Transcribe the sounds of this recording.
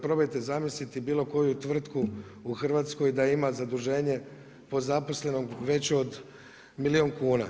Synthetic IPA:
pɾobojt̪e̞zamislit̪ibiːlˠo̞ko̞jut̪ʋr̩t̪kuuxrʋaːt̪sko̞jd̪aimazad̪uʒe̞ːɲe̞ | po̞zapo̞sle̞noʋe̞t͡ɕeo̞d̪ | milio̞ŋkuːna̰

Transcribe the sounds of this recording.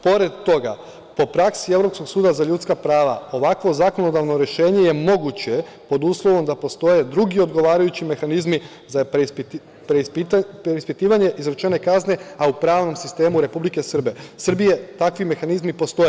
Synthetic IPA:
po̞ɾe̞d̪t̪o̞ɡa̰ | po̞pɾaksie̞ʋɾo̞pskoɡsuːd̪azaʎuːt̪skapɾaːʋao̞ʋakʋo̞zakono̞d̪aʋno̞ɾe̞ʃe̞ːɲe̞je̞mo̞ɡut͡ɕe̞ | po̞d̪uːslˠo̞ʋo̞md̪apo̞st̪o̞je̞d̪ɾuɡio̞d̪ɡo̞ʋaːɾajut͡ɕime̞xanizmi | za | pɾep̪peispit̪iːʋaɲe̞ʔizɾet͡ʃe̞ne̞kazne̞aupɾaːʋno̞msist̪e̞ːmuɾe̞publike̞sr̩be̞sr̩bije̞t̪akʋime̞xanizmipo̞st̪o̞je

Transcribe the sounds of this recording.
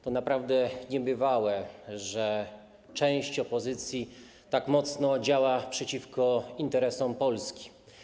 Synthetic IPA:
t̪ɔnapɾavd̪ɛɲɛbɘvawɛʐɛ | t͡ʂɛ̃w̃ɕt͡ɕɔpɔzɘt̪sʲji | t̪akmɔt̪snɔd͡ʑawapʂɛt͡ɕifkɔint̪ɛɾɛsɔmpɔlskʲi̥

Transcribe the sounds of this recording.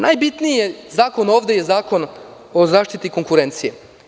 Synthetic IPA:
nʔajbit̪niijezaːko̞no̞ːʋd̪e̞je̞zaːko̞n | o̞zaːʃt̪it̪iko̞ŋkuɾe̞nt̪sije̞

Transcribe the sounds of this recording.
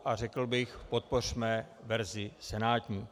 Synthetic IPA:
ʔar̝ɛkl̩bɪxpot̪̚por̝̥mɛ | vɛɾzɪsɛnaːt̪ɲiː

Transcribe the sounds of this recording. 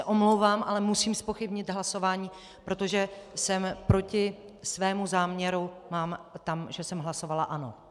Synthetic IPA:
ɛʔo̞mlowvaːmʔalɛmusiːmspo̞xɪbɲɪt̪ɦlaso̞vaːɲiː | pɾo̞t̪o̞ʒɛsɛmpɾo̞cɪ | svɛːmuzaːmɲɛɾumaːmt̪amʒɛsɛmɦlaso̞valaʔano̞̰

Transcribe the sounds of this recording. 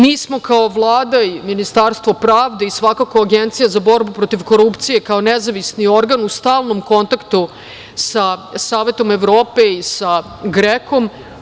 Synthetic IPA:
miːsmo̞kao̞ʋlˠaːd̪aiminist̪aɾst̪ʋo̞pɾaːʋd̪eisʋakako̞aɡent̪sijazabo̞ɾbupɾo̞t̪iʋko̞ɾupt̪sijekaonezaʋisnio̞ɾɡanust̪aːlˠno̞mko̞nt̪akt̪u | sasaːʋe̞t̪o̞me̞ʋɾo̞ːpe̞isa | ɡɾeko̞m

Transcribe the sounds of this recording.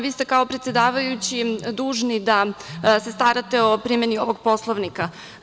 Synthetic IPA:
ʋiːst̪ekao̞pɾet̪sjed̪aːʋajut͡ɕid̪uːʒnid̪ase̞st̪aɾat̪e̞o̞pɾiːmjenio̞ʋoɡ̚po̞slˠoʋnika

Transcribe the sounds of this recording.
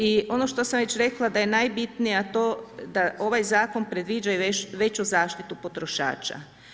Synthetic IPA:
io̞no̞ʃt̪o̞samʋet͡ɕɾe̞klˠad̪aje̞najbit̪nijat̪o̞ːd̪aʔo̞ʋajzaːko̞npɾe̞d̪ʋiːd͡ʒajeʋe̞t͡ɕuzaːʃt̪it̪upo̞t̪ɾo̞ʃa̰ːt͡ʃa̰

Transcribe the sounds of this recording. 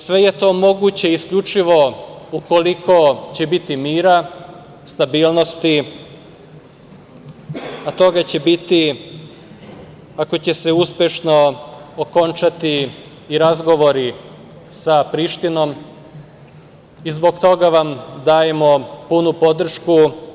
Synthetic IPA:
sʋe̞je̞t̪o̞ːmo̞ɡut͡ɕe̞iskʎut͡ʃiʋo̞uko̞likʰo̞t͡ɕe̞bit̪imiːɾa | st̪abiːlˠno̞st̪i | at̪o̞ɡat͡ɕe̞bit̪i | ako̞t͡ɕe̞seuspʲjeʃno̞oko̞nt͡ʃat̪iː | ɾazɡo̞ʋo̞ɾi | sapɾiʃt̪ino̞m | izbo̞ɡt̪o̞ɡaʋamd̪aːje̞mo̞punupo̞d̪r̩ʃku

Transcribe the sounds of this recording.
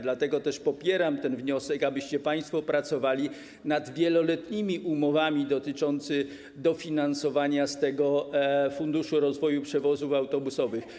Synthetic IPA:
d̪lat̪ɛɡɔt̪ɛʂpɔpʲjɛɾamt̪ɛnvɲɔsɛkabɘɕt͡ɕɛpaj̃st̪fɔpɾat̪sɔvalʲi | nad̪vʲjɛlɔlɛt̪ɲimʲiʔumɔvamʲid̪ɔt̪ɘt͡ʂɔnt̪sɘ | d̪ɔfʲinansɔvaɲast̪ɛɡɔfund̪uʂuɾɔzvɔjupʂɛvɔzufawt̪ɔbusɔvɘx

